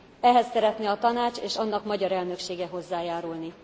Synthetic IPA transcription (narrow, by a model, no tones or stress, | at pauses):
ɛɦɛsːɛɾɛt̪niɒt̪ɒnaːt͡ʃeːʃɒnːɒkmɒɟɒɾɛlnø̞kʃeːɡɛɦo̞zːaːjaːɾulni